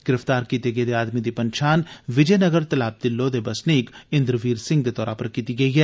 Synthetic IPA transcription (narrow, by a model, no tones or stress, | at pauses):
ɡ̥ɪɾəft̪aːɾkiːt̪eɡed̪eaːd̪mid̪ipɐ̃nʃʰaːnʋɪd͡ʒɛːnɐɡəɾt̪ɐlaːb̚d̪ɪlːod̪ebɐsniːkɪ̃nd̪ɾʋiːɾsɪ̃ŋɡd̪et̪ɔːɾapɐɾkiːt̪iɡɐiɦɛː